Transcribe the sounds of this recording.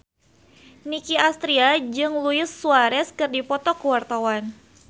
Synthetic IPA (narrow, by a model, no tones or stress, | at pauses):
nikiast̪ɾiad͡ʒɨŋluɪsːuaɾɛskɨrdipɔt̪ɔkəwart̪awan